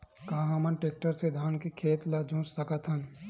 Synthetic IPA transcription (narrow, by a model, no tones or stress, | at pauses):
kaːɦamɐnʈeːk̚ʈəɾsed̪ʱaːnkekʰeːt̪lad͡ʒõːssɐkat̪ʰɐ̃n